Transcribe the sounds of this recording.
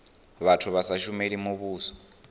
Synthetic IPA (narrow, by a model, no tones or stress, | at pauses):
βatʰuβasaʃumeɺimuβuːsɔ̥